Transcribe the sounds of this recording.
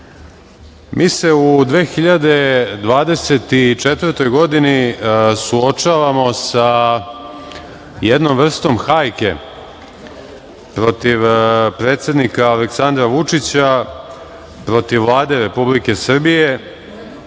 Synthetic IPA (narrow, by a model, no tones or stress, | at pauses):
mʔiːse̞ud̪ʋeːxiʎad̪e̞d̪ʋaːd̪e̞se̞t̪it͡ʂet̪ʋrt̪o̞jɡo̞d̪inisuot͡ʂaʋamo̞sa | jed̪no̞mr̩st̪o̞mxajke̞̰ | pɾo̞t̪iʋpɾe̞ːt̪sʲe̞d̪nikaːleksand̪ɾaʋut͡ʂit͡ɕa | pɾo̞t̪iʋːlˠaːd̪e̞ɾe̞publike̞sr̩bije̞